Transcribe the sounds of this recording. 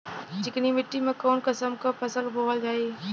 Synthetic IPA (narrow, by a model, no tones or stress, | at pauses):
d͡ʑɪknimɪʈːimẽkoːnkɐsəmkapʰɐsəlɦoːʋəld͡ʑaːeː